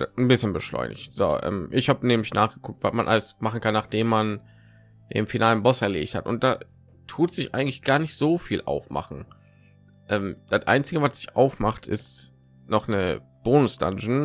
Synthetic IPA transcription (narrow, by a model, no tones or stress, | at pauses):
n̩bɪsçənbəʃlɔ̰ʏnɪ̰çtz̥o̰ːʔɛ̰ːmʔɪçhaːbəneːm̩ɪçnʔaːχɡ̥əkʰʊk̚tv̥a̰smanʔa̰ləsmaχn̩kʰanːaːχd̥eːmːan | d̥ḛːmfinʔaːlənbɔsɛɐlḛːçthatʔʊ̰nt̚d̥aː | tʰuːtz̥ɪçʔa̰ɪɡŋtlɪçɡ̥aːɐnɪçtz̥oːfiːlʔa̰ʊfmʔa̰χn̩ | ʔɛːmd̥atʔa̰ɪnt͡sɪɡəvatz̥ɪçʔaʊfmaχtʰʔɪ̰st | nɔχnə | b̥oːnʊsd̥a̰nʃn̩